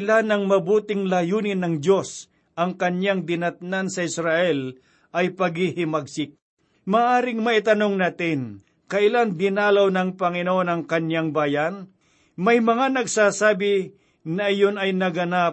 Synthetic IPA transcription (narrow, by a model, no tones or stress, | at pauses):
lanɐŋmɐbuːt̪ɪŋlajuːnɪnːɐŋd̪jo̞s | ʔɐŋkɐɲjaŋd̪ɪnɐt̪̚nansɐʔɪsɾɐʔɛl | ʔɐjpɐɡhɪhɪmɐɡ̚sɪk̚ | maːʔaːɾɪŋmɐʔɪt̪ɐno̞ŋnaːt̪ɪn | kɐʔɪland̪ɪnaːlɐwnɐŋpɐŋɪnoonɐŋkɐɲjaŋbaːjan | mɐjmɐŋanɐɡsaːsaːbɪ | nɐːjonɐjnɐɡɐna